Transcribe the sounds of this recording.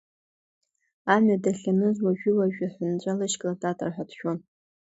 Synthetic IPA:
amadaɬʲanɨzwaʒᶣɪwaʒᶣaħʷʊnt͡ɕʷʼalɨʃkʼladatʼɨrħatʰʃᶣon

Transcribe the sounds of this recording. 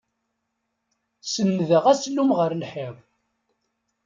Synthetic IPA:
sənːðəʁæslːumʁəɾlħɪʁ

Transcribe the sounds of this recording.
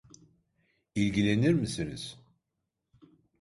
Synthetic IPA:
ilɡʲilɛniɾmisinɪz̥

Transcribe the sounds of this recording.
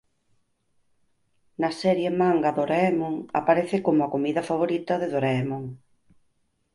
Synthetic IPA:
nɐsɛɾjemaŋɡaðoɾɛmoŋa̰paɾeθɪkomʊakomiðɐfaβ̞oɾit̪ɐðeðoɾɛmoŋ

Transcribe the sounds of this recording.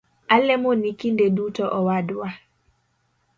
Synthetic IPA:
alɛmonikindɛdutɔʔɔwadwwa

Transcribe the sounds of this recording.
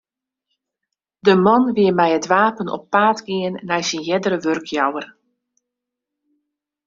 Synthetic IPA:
dəmɔnʋɪəmɛjətʋaːpənɔ̰pːaːtɡiənːɛjsinjɛdəɾəʋørkʰjawər

